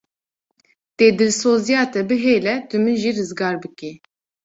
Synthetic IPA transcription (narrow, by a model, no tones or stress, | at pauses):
t̪eːd̪ɨlsoːzijɑːt̪ɛbɨɦeːlɛt̪ɨmɨnʒirɨzɡɑːɾbɨki